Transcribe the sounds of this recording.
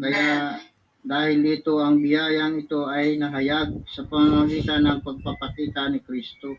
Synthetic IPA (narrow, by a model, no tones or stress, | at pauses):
kɐja | d̪aːhɪld̪iːt̪o̞ɐŋbɪjaːjɐŋɪt̪o̞ʔɐjnɐɦɐjaɡ̚sɐpɐŋamɐɡiːt̪anɐŋpɐɡ̚papɐkiːt̪anɪkɾist̪o